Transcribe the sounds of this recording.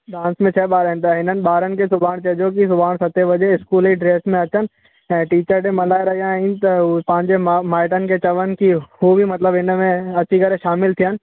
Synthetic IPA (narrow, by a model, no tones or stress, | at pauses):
ɖãːnsmẽt͡ɕʰɐɓaːɾəɪ̃nt̪ɐɦɪnənɪ̆ɓaːɾənɪ̆kʰesʊbʱaːɽ̃t͡ɕɐd͡ʒok̬isʊbʱaːɽ̃sɐt̪eʋɐd͡ʑeɪskuːliɖɾeːsmẽɐt͡ɕənɪ̆ | ɛ̃ːʈiːt͡ɕəɾʈẽmɐlaːɪɾɐɦijãint̪ɐpɐ̃ɦɪ̃ɲd͡ʑemaːɪʈənɪ̆kʰet͡ɕɐʋənɪ̆kʰihubʱimɐt̪ləbɪnmẽɐt͡ɕʰikɐɾeʃaːmɪlt̪ʰijənɪ̆